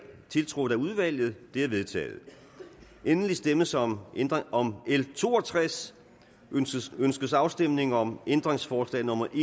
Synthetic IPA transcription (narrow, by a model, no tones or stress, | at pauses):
t͡sʰe̝lt͡sʰʁoð̩ˠæuðˠʋæl̰jð̩ˠd̥e̝æɐʋe̝ðˠt͡sʰɛ̰ːð̩ˠ | ʔenəlisd̥eməsmɒ̽melt͡sʰo̝ːɒt͡sʰʁas | ønsɡ̥əsɑ̈ʊsd̥em̰ne̝ŋɒ̽mend̥ʁeŋsfɒːslɛ̰ːnɔ̽mɐʔe